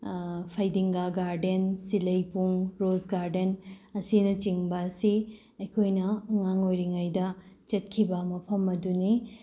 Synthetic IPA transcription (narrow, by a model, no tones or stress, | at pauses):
pʰajdiŋɡaɡaɾdensilɐjpuŋɾozɡaɾdenɐsinɐt͡ʃiŋbɐːsi | ɐkʰojnɐŋaŋojɾiŋɐjdɐt͡ʃɐt̚kʰibɐmɐpʰɐmɐduni